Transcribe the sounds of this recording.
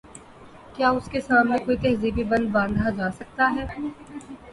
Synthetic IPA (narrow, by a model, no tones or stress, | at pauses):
kjaːʊskesaːmnẽkoːit̪ɛɦzibʱibɐ̃nd̪bãːnd̪ʱad͡ʒaːsɐk̚t̪aɦɛː